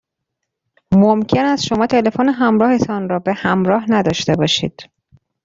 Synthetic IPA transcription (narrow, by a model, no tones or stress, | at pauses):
momcʰe̞næsʃo̞mɒːt̪ʰe̞le̞foneɦæmɾɒːhe̞t̪ʰɒnɾɒːbe̞hæmɾɒːɦnæd̪ɒːʃt̪e̞bɒːʃḭːd̪̥